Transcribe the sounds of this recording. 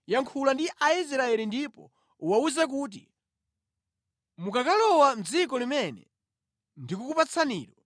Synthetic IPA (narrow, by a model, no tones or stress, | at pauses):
jaŋkʰulandiʔais̬ɾaɛlindipɔ̰ | uwauzak̬uːt̬ḭ | mukakalɔwam̩d͡zik̬ɔlimɛnɛ̰ | ndikukupat͡sʰaniːɾɔ